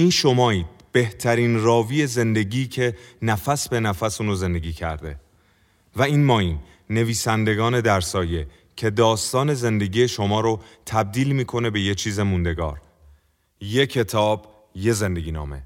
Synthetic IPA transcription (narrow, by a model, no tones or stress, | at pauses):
iːnʃo̞mɒːiːd̪̥b̥e̞ht̪ʰæɾiːnrɒːviːe̞ze̞nd̪e̞ɟiːcʰe̞næfæsbe̞næfæsuːnoze̞nd̪e̞ɡiːcʰæ̰ɾd̪e̞̰ | væiːnmɒːiːnː | e̞viːsænd̪e̞ɡɒːne̞d̪æɾsɒːje̞ | cʰe̞d̪ɒːst̪ɒːne̞ze̞nd̪e̞ɡiːje̞ʃo̞mɒːɾot̪ʰæb̚d̪iːlmiːkʰo̞ne̞be̞jet͡ʃʰiːze̞mund̪e̞ɡɒ̰ːɾ | je̞cʰe̞t̪ʰɒːb̥ | je̞ze̞nd̪e̞ɟiːnɒ̰ːme̞̰